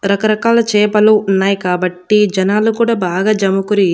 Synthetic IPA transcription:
ɾɐkɐɾɐkaːlɐt͡ʃɛːpɐluunːaːjikaːbɐʈːid͡ʒɐnaːlukuːɽaːbaːɡaːd͡ʒɐmukuɾi

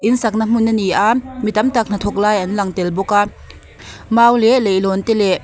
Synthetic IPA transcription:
ʔinsɐk̚nam̥unːɐniʔamit̪ɐmt̪ak̚n̥at̪ʰɔk̚laːjʔɐnlɐŋt̪ɛlbɔka | maːwlɛʔlejlɔnt̪ɛlɛʔ

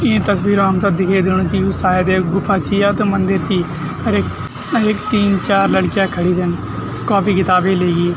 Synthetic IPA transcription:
ẽːt̪əsbiːɾaːmt̪aːd̪ɪkʰeːd̪ɪɽ̃õːt͡ʃiːsaːjd̪eːɡʊpʰaːt͡ʃiːaːt̪omənd̪əɾt͡ʃiː | əɾek | ɾekt̪iːnt͡ʃaːɾləɽkɪjaːkʰəɽiːd͡ʒən | koːpiːkɪt̪aːbeːleːɡiː

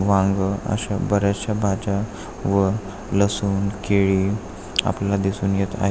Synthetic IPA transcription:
ʋãŋɡə̰ɕabəɾjat͡ɕabʱad͡ʑa | ʋə | ləsuːnkeɭiː | a̰plalad̪isuːnjet̪a̰ɦe

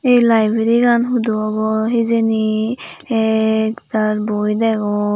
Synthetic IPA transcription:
ejlajbeɾikʰanɦud̪uabɔɦezeni | ɛkt̪aɾbojd̪ɛɡɔ̃

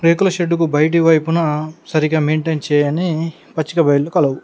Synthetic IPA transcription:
ɾeːkulɐʃeɖːukubɐjʈ̬iʋɐjpunɐsɐɾiɡaːmeːɳʈent͡ʃɛːjɐni | pɐt͡ʃːikɐbɐjlːukɐlɐwu

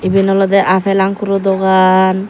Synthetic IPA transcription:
ibinɔlɔd̪ɛʔapʰelaŋkuɾud̪ɔɡan

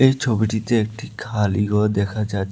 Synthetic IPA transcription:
eit͡ʃʰobiʈit̪eek̚ʈʰikʰaːliɡɔd̪eːkʰad͡ʒat̪

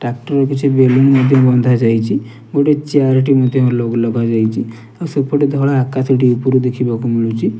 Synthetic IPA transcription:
ʈakʈɔɾɔkit͡ʃʰibelunmɔd̪ʱjɔbɔnd̪ʱad͡ʒajt͡ʃʰi | ɡoʈet͡ʃiaɾʈimɔd̪ʱjɔɾlɔɡlɔɡad͡ʒajt͡ʃʰi | awsepɔʈed̪ʱɔɭaːkat̪ɔʈiupuɾud̪ekʰibakumiɭut͡ʃʰi

